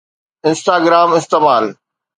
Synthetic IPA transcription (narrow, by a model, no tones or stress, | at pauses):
ɪ̃nsʈaːɡɪɾaːmɪst̪eːmaːl